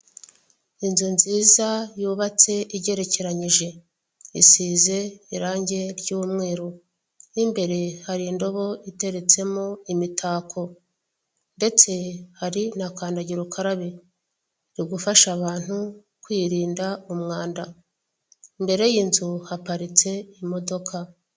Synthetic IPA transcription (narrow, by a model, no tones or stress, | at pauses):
inzunziːzajuːβat͡se̞ʔiɟe̞ɾe̞ce̞ɾaɲiʒe̞ | isize̞iɾaːɲɟe̞ɾɟuːmŋe̞ːɾo | imbe̞ɾe̞haɾindo̞βo̞ite̞ɾe̞t͡se̞moimitʰaːkʰo̞ | nde̞t͡se̞haɾinakaːndaɟiɾukʰaɾaβe | ɾiɡufaʃaβaːn̥hu | kwiːɾiːndaumŋaːnda | imbe̞ɾe̞jiːnzuhapaɾit͡se̞imo̞do̞kʰa